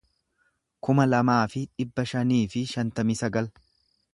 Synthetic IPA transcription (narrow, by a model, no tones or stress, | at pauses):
kʊmɐlɐmaːfɪᶑɪbːɐʃɐniːfɪʃɐnt̪ɐmisɐɡɐl